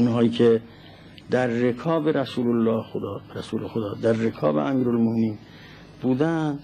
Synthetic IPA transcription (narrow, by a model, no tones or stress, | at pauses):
unɦɒːjiːkʰe | d̪æɾːekʰɒːbeɾæsuːlolːɒːxod̪ːɾæsuːlexod̪ɒːd̪æɾːekʰɒ̰ːbḛʔæmiːɾolmomeniːn | buːd̪æn